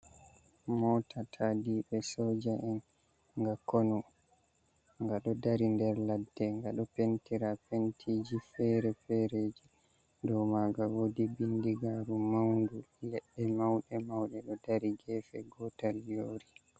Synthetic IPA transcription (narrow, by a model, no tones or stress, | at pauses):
mɔːtatʰadiɓɛsɔːd͡ʒaʔɛn | ŋɡakɔnɔ | ŋɡaɗɔdaɾindɛɾladːɛŋɡaɗɔpentiɾapentʰiːd͡ʒifɛɾɛfɛɾeːd͡ʒi | dɔmaɡawodibindiɡaɾumawndulɛɗːɛmawɗɛmawɗɛɗɔdaɾiɡɛːfɛɡɔtaljoːɾi